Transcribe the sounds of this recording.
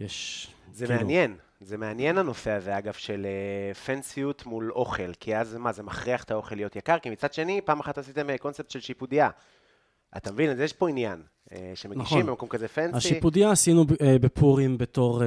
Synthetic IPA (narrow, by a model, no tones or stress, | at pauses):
jeʃzemeanje̞n | zeme̞anje̞nano̞feaveaɡav̥ʃe̞lefensijut̪mulo̞χe̞lkʰiazmaze̞maχʁiaχet̪ʰao̞χelijot̪jakaʁkimit͡sad̪ʃe̞nipaːmaχatasit̪emeko̞nsep̚t̪ʃe̞lʃipudia | a̰t̪amevinazjeʃpo̞injan | ḛʃemenɡiχʃimbemako̞mkazefenaʃipud̪iaːsinubepuʁimbeto̞ʁ